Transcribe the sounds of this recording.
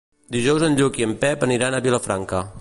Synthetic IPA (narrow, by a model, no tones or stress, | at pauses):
d̪iʒɔwzənʎukiəmpɛpəniɾanəβiləfɾaŋkə